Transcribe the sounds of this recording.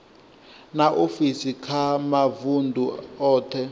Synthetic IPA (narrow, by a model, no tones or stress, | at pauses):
naʔofisikʰamavundʱuɔːtʰɛ